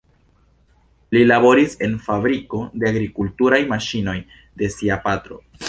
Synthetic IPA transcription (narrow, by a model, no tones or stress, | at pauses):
lilabo̞ɾise̞nfabɾiko̞de̞aɡɾikultuɾajmaʃino̞j | de̞siapatɾo̰